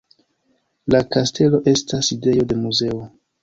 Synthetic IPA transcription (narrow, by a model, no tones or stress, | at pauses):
lakastʰe̞lo̞ʔe̞staside̞jo̞de̞muze̞o